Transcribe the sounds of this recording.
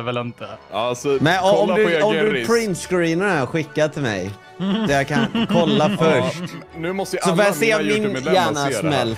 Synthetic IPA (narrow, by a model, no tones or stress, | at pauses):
vɛlɪnt̪əsɔmɛnɔɔmd̪ɵɔmd̪ʉpʰɾɪnsɡʊɾiːnəɾaɧɪkːat̪ʰɪlmɛ̰j | d̪ɛjakʰankʰɔlːafœʂt | nʉmɔst̪əsɔbœaseːɔmd̪ɪnjæːɳasmɛlː